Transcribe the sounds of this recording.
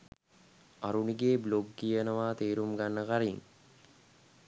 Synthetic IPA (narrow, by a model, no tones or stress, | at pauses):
aɾuniɡeːbloɡːijənəʋaːt̪eːɾumɡanːəkaɾiŋ